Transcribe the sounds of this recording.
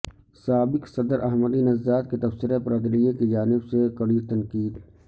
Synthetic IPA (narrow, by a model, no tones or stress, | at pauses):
saːbɪksɐd̪əɾʔɐɦməd̪inɐzd͡ʒaːt̪̚ket̪ɐfsɪɾepɾaːd̪lijekid͡ʒaːnɪbsekɐɽiːt̪ɐnkiːd̪